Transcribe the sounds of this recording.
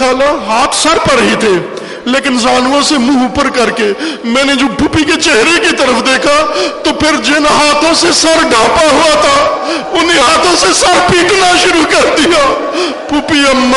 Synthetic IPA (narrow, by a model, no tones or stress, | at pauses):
aːlaɦaːt̪ʰsɐɾpɐɾɦit̪ʰeː | leːkɪnzaːnõsemũːʊpəɾkɐɾkemɛ̃ːned͡ʒoːpuːpiket͡ʃeɦɾekit̪ɐɾəpʰd̪eːkʰat̪opʰɪɾd͡ʒɪnɦaːt̪ʰõsesɐɾɖʱãːpaɦuat̪ʰaʊneɦaːt̪ʰõsesɐɾpiːʈnaʃʊɾukɐɾd̪ija | bʱuːpiɐmː